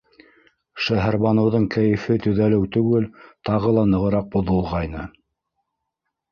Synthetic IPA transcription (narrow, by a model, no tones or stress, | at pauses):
ʃæɦæɾβɑnɤ̆wðɤɴkæjɘ̆fɘt̪ɵ̆ðælɘwt̪ɵ̆ɡɘlt̪ɑʁɤlˠɑnɤ̆ʁɤ̆ɾɑq̚bŏðɤ̆lˠʁɑjnɤ